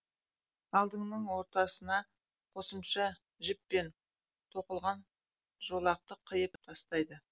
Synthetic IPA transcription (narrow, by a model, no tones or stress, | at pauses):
ɑlˠd̪əɴnəɴwo̞ɾt̪ɑsənɑ | qʰo̞səmʃɑ | ʒɪpːe̞n | t̪ʰoqəlˠʁɑn | ʒo̞lˠɑq̚t̪əqʰːəjəpt̪ʰɑst̪ɑjd̪ə